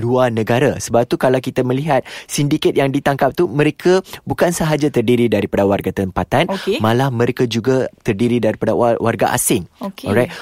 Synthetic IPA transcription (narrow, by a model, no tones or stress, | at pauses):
luarnə̃ɡaɾasəbap̚t̪ukalawkit̪amə̃liɦat̪̚sindikət̪̚jaŋdit̪aŋkap̚t̪umə̃ɾekʰəbukansəɦad͡ʒat̪ərdiɾidaɾipadawarɡat̪əmpat̪ankmãlahmə̃ɾekad͡ʒuɡat̪ərdiɾidaɾipadawa̰rɡa̰ʔa̰sɪŋkɔɾaɪt̪̚